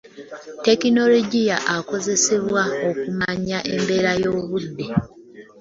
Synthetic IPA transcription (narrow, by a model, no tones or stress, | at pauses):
te̞kino̞loɟijaʔako̞ze̞se̞βwao̞kumaɲaʔe̞mbe̞ːɾajo̞ːβudːe